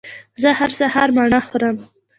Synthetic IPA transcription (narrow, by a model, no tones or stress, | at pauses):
zəhaɾsahɑɾmɑɳaxoɾəm